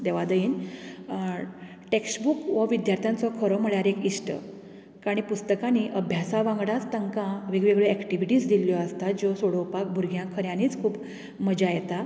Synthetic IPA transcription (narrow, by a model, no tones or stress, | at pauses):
d̪eʋad̪əiːn | ʈeksbukʋəʋid̪jaɾt̪ʰjãnt͡sɔkʰəɾɔm̤əɭjaɾekiʂʈə̰ | kaɽ̃ipust̪əkaniʔəbʱjasaʋãŋɡɽat͡st̪əŋkãʋiɡʋeɡɭeɛkʈiʋiʈiːsd̪iljɔəst̪ad͡ʑosoɽowpak̚bʱuɾɡʱjãkʰəɾjãniːt͡skʰuːp | məd͡ʑajet̪a